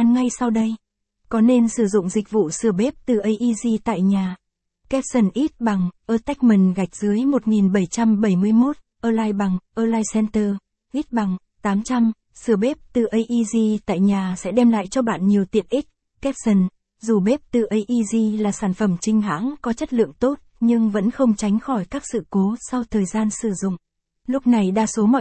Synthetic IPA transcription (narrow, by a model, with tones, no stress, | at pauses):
a˧nŋa˧jsa˧wɗə˧j | kɔ˨˦ne˧nsɨ˧˩zʊ̰˧˨ŋ͡mzï˨˩k̟̚vṵ˧˨sɨ˧˩əɓe˦˥p̚t̪ɨ˨˩ʔə˧jʔi˧zi˧t̪a̰ː˧˨jɲaː˨˩ | kɛ˦˥t̚sə˨˩nʔi˦˥t̚ɓa˨˩ŋʔəː˧t̪ɛ˦˥k̟̚mi˨˩nɣa˨˩jk̟̚z̥ɨ˨˦əjmo˨˩t̚ŋi˨˩nɓə˧˩jt͡ɕa˧mɓə˧˩jmɨ˧əjmo˦˥t̚ | ʔəː˧laː˧jɓa˨˩ŋʔəː˧laː˧jsɛ˧nt̪əː˧ | ʔi˦˥t̚ɓa˨˩ŋ | t̪aː˨˦mt͡ɕa˧m | sɨ˧˩əɓe˦˥p̚t̪ɨ˨˩ʔə˧jʔi˧zi˧t̪a̰ː˧˨jɲaː˨˩sɛ̰˧˥ɗɛ˧mla̰ː˧˨jt͡ɕɔ˧ɓa̰ː˧˨nɲi˨˩əwt̪ḭ˧˨ənʔi˦˥k̚ | kɛ˦˥p̚sə˨˧˩n | zu˨˩ɓe˦˥p̚t̪ɨ˨˩ʔə˧jʔi˧zi˧laː˨˩saː˧˩nfə˧˩mt͡ɕï˧ŋ̟ɦa̰ː˧˥ŋkɔ˨˦t͡ɕə˦˥t̚lɨ̰˧˨əŋt̪o˦˥t̚ɲɨ˧ŋvə̰˧˥nxə˧wŋ͡mt͡ɕa˨˦jŋ̟xɔ˧˩jkaː˦˥k̚sɨ̰˧˨ko˨˦sa˧wt̪ʰəː˨˩jzaː˧nsɨ˧˩zʊ̰˧˨ŋ͡m | lʊ˦˥k͡p̚na˨˩jɗaː˧˩so˨˦mɔ̰˧˨